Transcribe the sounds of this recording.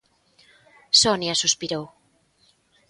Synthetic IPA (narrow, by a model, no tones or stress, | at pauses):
sonjasuspiɾow